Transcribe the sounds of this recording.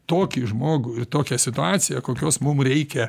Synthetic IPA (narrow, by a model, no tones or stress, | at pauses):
t̪oːkʲɪʒmoːɡʊɪrt̪oːkʲɛsʲɪt̪ʊɑːt̪sʲɪjɛkoːkʲoːsmʊmɾʲɛɪkʲɛ